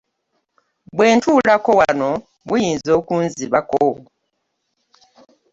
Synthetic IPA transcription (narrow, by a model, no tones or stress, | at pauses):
bwe̞ːntuːlako̞wano | βujiːnzo̞ːkuːnziβako